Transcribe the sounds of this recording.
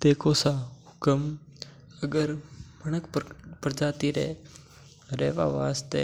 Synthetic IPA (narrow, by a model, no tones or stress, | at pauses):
t̪ekosaukəm | əɡəɾm̤əɳəkppɾəd͡ʒaːt̪iɾḛ | ɾɛːʋa̰ʋa̰st̪e